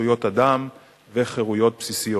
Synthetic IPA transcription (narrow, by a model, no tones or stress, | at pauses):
ujo̞t̪adam | veχeʁujo̞t̪̚psisijo